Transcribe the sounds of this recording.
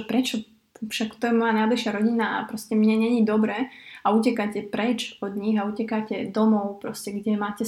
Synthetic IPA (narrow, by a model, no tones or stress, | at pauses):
pɾɛt͡ʃɔ | fʃakt̪ɔjɛmɔjanajbliʃɪaɾɔɟinaa̰pɾɔscɛmɲɛɲɛɲid̪ɔbɾɛːaucɛkacɛpɾɛt͡ʃɔd̪ɲiɣaucɛkacɛd̪ɔmɔʊpɾɔscɛɡɟɛmaːcɛ